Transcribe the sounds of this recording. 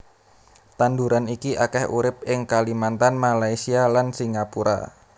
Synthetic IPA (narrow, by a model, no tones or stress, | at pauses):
t̪anduɾanikiʔakɛhṵɾɪp̚ʔɪŋkalimant̪anmalaisialansiŋapuɾa̰